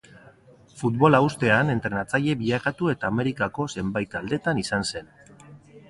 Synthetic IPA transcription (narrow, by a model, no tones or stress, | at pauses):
fut̪βo̞laust̪e̞ane̞nt̪ɾe̞nat͡saʎe̞βiʎakat̪ue̞t̪aːme̞ɾikako̞se̞mbajt̪ald̪e̞t̪anisanse̞n